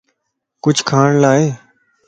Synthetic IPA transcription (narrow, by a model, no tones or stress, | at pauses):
kʊd͡ʒʰʱkʰaːɳlaːeː